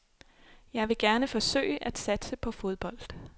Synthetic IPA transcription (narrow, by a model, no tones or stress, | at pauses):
jɑ̈ɪʋe̝ɡ̥æɐnəfɒ̽sø̰ɪəʔæd̥sæd̥səpʰɒ̽fo̝ð̞ˠb̥ɒ̽l̰d̥